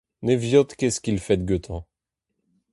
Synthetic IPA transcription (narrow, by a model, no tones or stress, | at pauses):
nevjɔt̪kɛskilfɛt̪̚ɡøt̪ʰɑ̃